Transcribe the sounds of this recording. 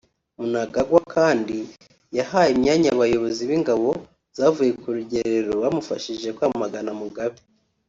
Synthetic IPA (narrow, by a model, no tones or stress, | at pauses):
munaɡaɡwakʰaːndi | jahaːjemɲaːɲaβajo̞βo̞ziβiŋɡaβo̞ | z̥aːvuje̞kuɾuɟe̞ɾeɾoβamufaʃiʒe̞kwamumaɡanamuɡaβi